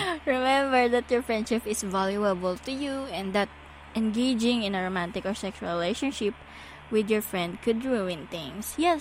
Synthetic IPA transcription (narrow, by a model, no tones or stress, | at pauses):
ɹɪmɛ̃mbəɹd̪at̪̚jɔɹfɹɛ̃nd̪ʃɪpɪsvaljuəbəlt̪ujuɛ̃nd̪at̪̚ | ʔɛ̃nɡeɪd͡ʒɪ̃ŋɪ̃nɐɹomãnt̪ɪkɔɹsɛkʃɹɹɪleʃɔ̃nʃɪp̚ | wɪd̪jɔɹfɹɛ̃nd̪̚kʰʊd̪ɹuɪ̃nt̪ɪ̃ŋsjɛ